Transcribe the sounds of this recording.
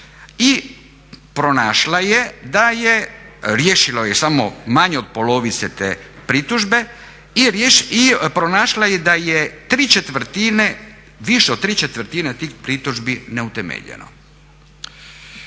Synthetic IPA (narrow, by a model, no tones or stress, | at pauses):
i | pɾonaːʃlajed̪ajeɾjeːʃilojesamo̞maɲeod̪̚polo̞ʋit̪set̪ḛːpɾit̪uʒbe̞ | iɾeʃipɾonaːʃlajed̪ajet̪ɾiːt͡ʃet̪ʋr̩t̪ine | ʋiʃeod̪̚t̪ːɾiːt͡ʃet̪ʋɾ̩t̪inet̪iːxpɾit̪uʒbineut̪emḛʎḛno̰